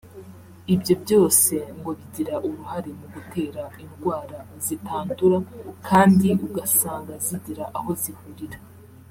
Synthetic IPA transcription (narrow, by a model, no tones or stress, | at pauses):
ibɟo̞bɟo̞ːse̞ŋɡo̞βiɟiɾaʔuɾuhaɾe̞muɡutʰe̞ːɾainɡwaːɾazitaːntuɾakʰaːndiʔuɡasaːŋɡaziɟiɾaʔaho̞zihuɾiɾa